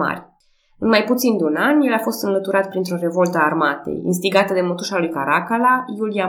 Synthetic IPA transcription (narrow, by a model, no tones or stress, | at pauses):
a̰rʲ | ɨnmajput̪sind̪eunanʲje̞lafo̞st̪ɨnlət̪uɾat̪pɾint̪ɾo̞re̞vo̞lt̪əaːrmat̪ḛjḭns̬t̪iɡat̪əd̪e̞mo̞t̪uʃalujkaɾakalajulia